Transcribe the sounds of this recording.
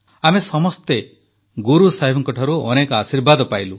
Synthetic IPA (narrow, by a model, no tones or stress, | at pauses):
amesɔmɔst̪e | ɡuɾusaɦibʱɔŋkɔʈʰɔɾuɔnekɔasiɾbad̪ɔpajlu